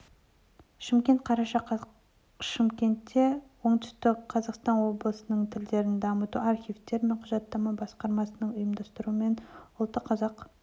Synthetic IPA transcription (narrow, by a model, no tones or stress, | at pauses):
ʃɪmkʲe̞nt̪̚qʰɑɾɑʃɑq | ʃɪmkʲe̞nt̪ːe̞wo̞ɴt̪ʏ̥st̪ɪkqʰɑzɑqst̪ɑnwo̞blˠəsənəɴt̪ʰɪld̪e̞ɾɪnd̪ɑmət̪uɑrχʲijft̪e̞ɾme̞ɴqʰʊʒɑt̪ːɑmɑbɑsqɑɾmɑsənəɴʊjəmd̪ɑst̪əɾuəme̞nʊlˠt̪ːəqʰːɑzɑq